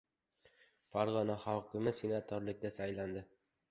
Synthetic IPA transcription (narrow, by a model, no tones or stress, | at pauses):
faɾʁɒnaχɒwqɨmɪsinat̪ʰɒɾlɪkʲd̪asajland̪ɪ